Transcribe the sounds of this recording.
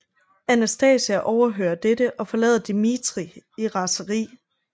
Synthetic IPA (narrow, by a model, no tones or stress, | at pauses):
ænæsd̥ɛːsæʔɒʊɐɦø̰ːɐd̥edəʔɒ̽fɒ̽lɛ̰ːðˠɐd̥imit͡sʁiiʁɑ̈səʁḭː